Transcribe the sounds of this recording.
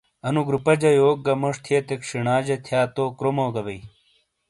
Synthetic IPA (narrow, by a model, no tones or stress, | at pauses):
ɐnuɡɾupɐd͡ʑɐjoːk̚ɡɐmoʂt̪ʰiet̪ekʂiɳaːd͡ʑɐt̪ʰjaːt̪oːkɾomoɡɐbɐi